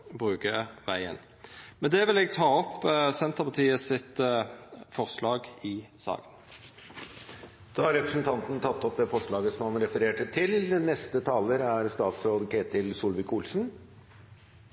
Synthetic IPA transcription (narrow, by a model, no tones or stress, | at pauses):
bʁʉːkəʋæɪə̰n | mɛnd̪ɛʋɪlɛɡ̚t̪ʰɑːɔpːsɛnt̪əʁpɑt̪iːəsɪt̪ | fɔʁʂlɑːɡɪsɑ̰ːɡən | d̪̥ɑːɑɾɛpɾəsn̩t̪ʰɑnt̪nt̪ʰɑt̪ːɔp̚d̪ɛfɔʂɭɑːɡəsɔmhɑnɾɛfəɾeːʈət̪ʰɪlnɛst̪ət̪ʰɑːləɾæɾst̪ɑːt̪sɾoːd̪əkʰeːt̪ɪlsuːlʋɪkʰuːlsn̩